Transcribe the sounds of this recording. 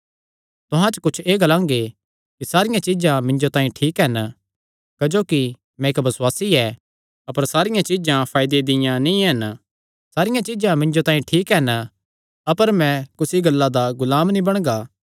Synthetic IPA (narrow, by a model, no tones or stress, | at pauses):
t̪ʊɦãt͡ʃəkʊt͡ʃʰeːɡɐlãːŋ̆ɡe | kisaːɾɪjãt͡ʃid͡ʒãmɪ̃ɲd͡ʒot̪ãːĩʈʰiːkɦɛn | kɐd͡ʒoːki | mɛ̃ɪkbɐswaːsiɛ | ɐpəɾsaːɾɪjãt͡ʃid͡ʒãpʰaːɪd̪ed̪ɪjãnĩɦɐn | saːɾɪjãt͡ʃid͡ʒãmɪ̃ɲd͡ʒot̪ãːĩʈʰiːkɦɛn | ɐpəɾmɛ̃kʊsiɡɐlːad̪aɡʊlaːmnĩbɐɽ̃ɡaː